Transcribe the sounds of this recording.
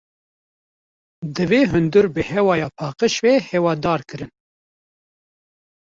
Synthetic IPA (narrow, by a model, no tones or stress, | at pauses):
d̪ɨveːɦɨnd̪uɾbɨhɛwɑːjɑːpʰɑːqəʃveːhɛwɑːd̪ɑːɾkɨɾɨn